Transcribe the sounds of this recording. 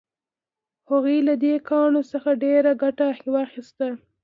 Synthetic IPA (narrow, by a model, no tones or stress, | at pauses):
haɣujlad̪ekɑɳosəxaɖeɾaɡaʈaːxwaxist̪a